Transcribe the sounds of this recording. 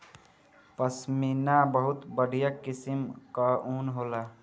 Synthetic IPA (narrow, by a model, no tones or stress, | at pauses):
pəsminabəɦut̪bəɽ̤ijakisimkəunɦola